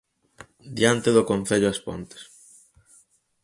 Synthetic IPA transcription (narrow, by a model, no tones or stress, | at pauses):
d̪jant̪eðʊkon̟θeʎʊaspo̰nt̪e̥s